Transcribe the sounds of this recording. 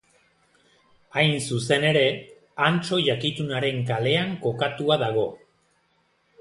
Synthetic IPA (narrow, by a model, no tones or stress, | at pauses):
ajnsuse̞ne̞ɾe̞ | ant͡ʃo̞ʝakit̪unaɾe̞ŋkale̞aŋko̞kat̪uaðaɣ̞o̞